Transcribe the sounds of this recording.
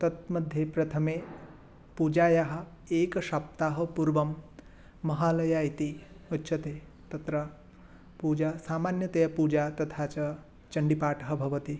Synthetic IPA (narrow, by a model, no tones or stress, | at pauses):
t̪ɐt̪̚mɐd̪ʱjepɾɐt̪ʰɐmeː | puːd͡ʒaːjaɦɐ̆ | eːkɐʃap̚t̪aːɦɐpuɾʋɐmː | ɐɦaːlɐjaːjit̪i | utːʃʰɐt̪eː | t̪ɐt̪ɾɐ | puːd͡ʒaːsaːmaːnjɐt̪ɐjɐpuːd͡ʒaːt̪ɐt̪ʰaːt͡ʃɐ | t͡ʃɐɳɖipaːʈɐɦɐbʱɐʋɐt̪i